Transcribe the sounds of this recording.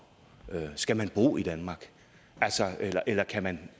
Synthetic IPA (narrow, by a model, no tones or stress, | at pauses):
øsɡ̥æmænb̥ʁo̝̰ːid̥ænmɑ̈ːɡ̥ | ælsɒelɐʔelɐkʰæmæn